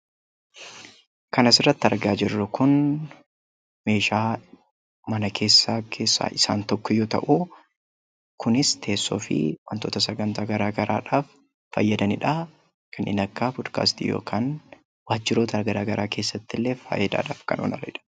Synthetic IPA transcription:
kɐnɐsɪrːɐt̪ːɪɐɾɡaːd͡ʒɪrːʊkʊn | me̞ːʃaː | mɐnɐkʰe̞ːsːaːkʰeːsːa̰ːʔɪsa̰ːnt̪ɔkːɔjoːt̪ɐ̰ʔu | kʰʊnɪst̪ʰe̞ːsːo̰ːfɪ̰wɐnt̪oːt̪ɐsɐɡɐnt̪aːɡɐɾaːɡɐɾa̰ːᶑaːfː | ɐ̰jːɐd̪ɐnɪᶑa | kʰɐnʔɪ̰nɐkːaːpɔd̪ka̰ːst̪ijo̞̰ːkʰaːn | waːd͡ʒːɪɾoːt̪ɐɐɡɐɾaːɡɐɾaːke̞ːsːɐt̪ːɪlːe̞ːfa̰ːjɛd̪a̰ːᶑa̰ːfkɐ̰nʔoːnʔɐ̰lɐɪᶑɐ̥

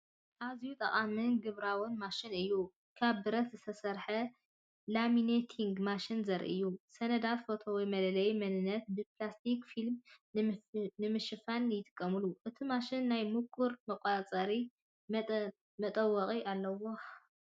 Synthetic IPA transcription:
ʔazjut̪ʼɐχʼamɨnɡɨβɾawɨnmaʃɪnɨjːu | kʰaβːɨɾɐt̪zɨt̪ʰɐsɐɾħɐ | laminet̪ʰiŋɡmaʃɪnzɐɾʔɨ̰jːusɐnɐd̪at̪fo̞t̪ʰo̞wjmɐlɐlɐjmɐnɨnːɐt̪̚bɨplast̪ʰikfilm | nɨmɨʃɨfanjɪt̪ʼɨ̥kʼːɐmɨluʔɨt̪ʰimaʃɪnːajmukʼːuɾmɐkʼat͡sʼɐɾi | mɐt̪ʼɐwːɐχʼiʔalːɐwo̞

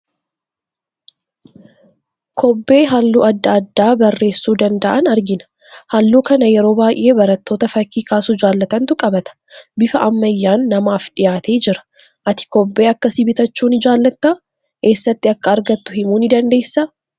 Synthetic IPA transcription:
kʰɔbːe̞ːɦalːuːɐd̪ːɐɐd̪ːaːbɐrːe̞ːsːuːd̪ɐnd̪ɐʔɐnɐɾɡɪnɐ̥ | hɐlːuːkɐnɐjɛɾo̞ːbaːʔe̞ːbɐɾɐt̪ːo̞ːt̪ɐfɐkːiːkaːsʊd͡ʒaːlːɐt̪ɐnt̪ʊkʼɐbɐt̪ɐ̥bɪfɐʔɐmːɐjːaːnːɐmaːfᶑɪjaːt̪e̞ːd͡ʒɪɾɐ̥ | ʔɐt̪ɪ̥kɔbːe̞ːɐkːɐsɪbɪt̪ɐt͡ʃːuːnɪd͡ʒaːlːɐt̪ːa | ke̞ːsːɐt̪ːɪɐkːɐːɾɡɐt̪ːʊhɪmuːnɪd̪ɐnd̪e̞ːsːaː

